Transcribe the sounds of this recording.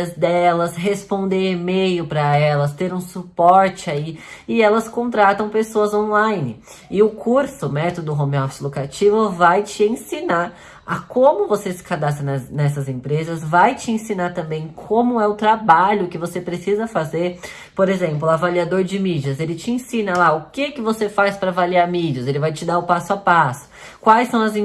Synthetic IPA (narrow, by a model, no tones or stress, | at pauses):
ɐzd̪ɛlɐsɦespõnd̪eemejʊpɾɐɛlɐst̪eɾũsupɔɾt͡ʃɪaiɪɛlɐskõnt̪ɾat̪ɐ̃w̃pesoɐzõlajnɪ | ɪʊkʰuɾsʊmɛt̪od̪ʊɦõmiɔfsɪlokɾat͡ʃivʊvajt͡ʃɪẽsina | akõmʊvosesɪ̥kad̪as̬t̪ɾɐnɛnɛs̬ɐzẽpɾezɐzvajt͡ʃɪẽsinat̪ɐ̃mbẽj̃kʰõmʊɛʊt̪ɾabaʎʊkɪvosepɾesizɐfazeɾ | poɾezẽmplʊavaliad̪oɾd͡ʒɪmid͡ʒɐzelɪt͡ʃɪẽsĩnɐlaʊkɪkɪvosefajspɾɐːvaliaɾmid͡ʒiʊzelɪvajt͡ʃɪd̪aʊpasʊapasʊ̥ | kwajsɐ̃w̃ɐzẽ